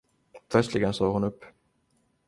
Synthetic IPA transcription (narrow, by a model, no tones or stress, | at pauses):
pʰlœt̪slɪɡənsoːɡhʊnɵpː